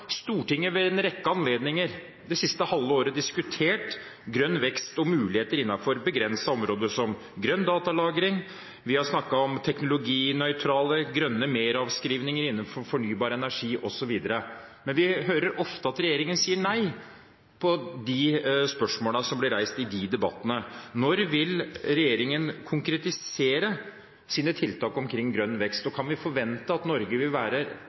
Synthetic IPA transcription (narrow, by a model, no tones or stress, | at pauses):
st̪uːʈɪŋːəʋɛɛnɾɛkːəɑnleːd̪nɪŋəɾ | d̪ɛsɪst̪əhɑlːəoːɾəd̪ɪskʉt̪ʰeːʈ | ɡɾœnːʋɛkst̪ɔmʉːlɪheːt̪əɾɪnːɑfɔɾbəɡɾɛnsɑɔmɾoːd̪əsɔm | ɡɾœnd̪ɑːt̪ɑlɑːɡɾɪŋ | ʋɪhɑʂnɑkːɑɔmt̪ʰɛknʊlʊɡiːnœʏt̪ʰɾɑːləɡɾœnːəmeːɾɑʋskɾiːʋnɪŋəɾɪnːənfɔɾfɔɳyːbɑːɾəɛnæʂiːʔɔsɔʋiːd̪əɾəmɛnʋɪɦøːɾəɾʔɔft̪əɑt̪ɾɛjeːɾɪŋənsiːəɳæɪ | pʰɔd̪ɪspœʂmoːləsɔmblɪɾæɪst̪ɪd̪id̪ɛbɑt̪ːənənɔɾʋɪlɾɛjeːɾɪŋənkʰʊŋkɾɛt̪ɪseːɾə | siːnət̪ʰɪlt̪ʰɑːkɔmkʰɾɪŋːɡɾœnːʋɛkst̪ɔkʰɑnʋɪfɔɾʋɛnt̪əɑt̪nɔɾɡəʋɪlʋæːɾə